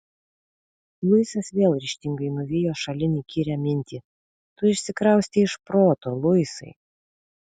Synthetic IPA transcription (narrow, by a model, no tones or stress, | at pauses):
lˠʊɪsɐsʋʲeːlˠɾʲɪʃʲt̪ʲɪŋɡɐɪnʊʋʲɪjoːʃɐlʲɪnʲiːkʲiːɾʲɛmʲɪnʲt̪ʲiː | t̪ʊɪʃʲsʲɪkɾɐʊsʲt̪ʲɪɪʃpɾoːt̪oːlˠʊɪsɐ̰ɪ